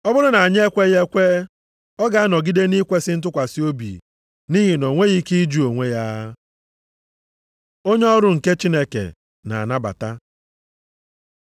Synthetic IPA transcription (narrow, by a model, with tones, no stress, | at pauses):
ɔ˦bʊ˦ɾʊ˦na˨a˨ɲe˦e˦kʷe˦je˦kʷe˦ | ɔ˦ɡa˨a˦nɔ˨ɡi˦de˦ni˦kʷe˦sɪ˦n̩˦t̬ʊ˦kʷa˨si˦o˦bḭ˨ | ni˦ɦi˨no˨ŋʷe˦ɣi˦ki˦d͡ʒu˦o˨ŋʷe˦ja˦ | o˦ɲe˦ɔ˦ɾʊ˦ŋ̩˨ke˦t͡ʃi˦ne˦kḛ˨ | na̰˨a̰˨na˦ba̰˨ta˦